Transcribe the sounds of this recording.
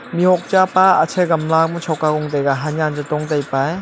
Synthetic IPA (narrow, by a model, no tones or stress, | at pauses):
miɦɔk̚t͡ʃapaːt͡ʃʰeɡɐmlak̚mɔt͡ʃʰawkaɡɔŋdajɡaɦanjand͡ʒatɔŋdajpaj